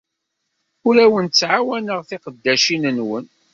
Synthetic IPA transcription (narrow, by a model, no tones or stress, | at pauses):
ʊɾæwənt͡sːʕawænəʁθiqəd̪ːæʃinənwən